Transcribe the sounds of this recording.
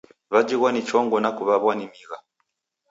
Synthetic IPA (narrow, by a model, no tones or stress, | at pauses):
βad͡ʒiɣwanit͡ʃɔŋɡɔnakuβaβwanimiɣa